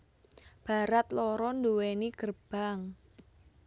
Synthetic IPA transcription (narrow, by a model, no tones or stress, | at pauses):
b̥a̤ɾat̪lɔɾɔnduwenikərb̥aŋ